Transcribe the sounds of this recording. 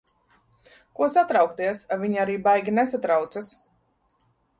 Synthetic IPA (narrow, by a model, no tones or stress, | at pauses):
kuɔsat̪ɾawkt̪iɛsavʲiɲaɾiːbajɡʲinesat̪ɾawt̪sas